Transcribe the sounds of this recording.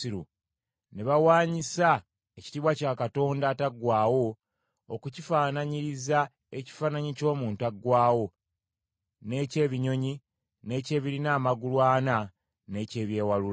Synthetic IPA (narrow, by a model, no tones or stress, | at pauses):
iɾu | ne̞βawaːɲisa | eci̥tiβwacaːkato̞ːndataɡwaːwo̞ː | kucifaːnaɲiɾiza | eci̥faːnaɲico̞ːmuːntaɡwaːwo̞ | ne̞ːce̞ːβiɲo̞ɲi | ne̞ːce̞ːβiɾinaːmaɡulwaːna | ne̞ːce̞ːβje̞ːwalul